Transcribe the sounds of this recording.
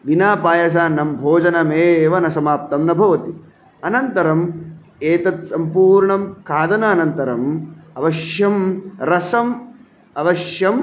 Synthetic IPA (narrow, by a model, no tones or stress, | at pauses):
ʋinaːpaːjɐs̬aːnɐmbʱoːd͡ʒɐnɐmeːʋɐnɐsɐmaːp̚t̪ɐmnɐbʱɐʋɐt̪i | ɐnɐnt̪ɐɾɐm | eːt̪ɐt̪sɐmpuːɾɳɐmkʰaːd̪ɐnɐːnɐnt̪ɐɾɐmɐʋɐʃjɐmɾɐsɐm | ɐʋɐʃjɐm